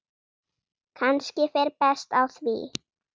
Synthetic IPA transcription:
kʰanscɪfɛɾpɛst̪alsvḭ

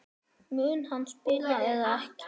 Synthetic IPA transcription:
myːnhanspɪljaɛðaɛhc

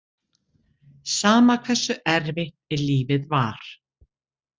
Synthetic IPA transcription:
saːmakʰvɛsːʏʔɛɾvɪ | ɛɾliːvɪðvaɾ̥

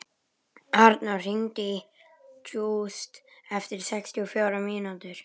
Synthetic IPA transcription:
aɾd̪narɪnt̪i | t͡ʃuːst̪ɛft̪ɪɾ̥sɛkst̪ʰiɔfjoːwɾamiːnat̪ɪɾ̥

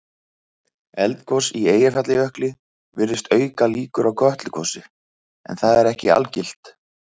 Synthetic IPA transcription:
ɛlt̪kʰɔsieːjɪfat̪lɪœhklɪ | vɪɾðɪst̪œːɥkaliːkʏɾawkʰœht̪lɪkʰɔsɪ | ɛ̰nθaðɛɾɛhcɪa̰lcɪl̥t̪

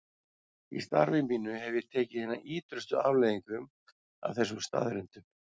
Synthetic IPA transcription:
ḭst̪a̰ɾvɪmpiːnʏɦɛvʏjɛɾt̪ʰɛːcɪðhɛnːaʔiːt̪ɾʏst̪ʏa̰ːwlɛːðiŋkʏm | a̰vθɛsːʏmst̪a̰ːðɾɪnt̪ʏ

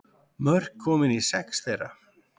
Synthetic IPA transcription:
mœr̥kʰːɔːmɪnisɛksθejrːa̰

